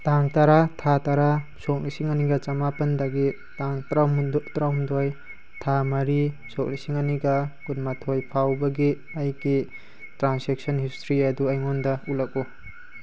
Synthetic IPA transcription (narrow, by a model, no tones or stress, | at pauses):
taŋtaɾatʰataɾasɔk̚lisiŋaniɡɐt͡ʃamapɐndaɡi | taŋamtɾawmdɔj | tʰamɐɾi | sɔk̚lisiŋaniɡɐkunmatʰojpʰawbɐɡi | ajɡi | tɾansek̚sɔnhistɾiɐduajŋɔndɐulak̚u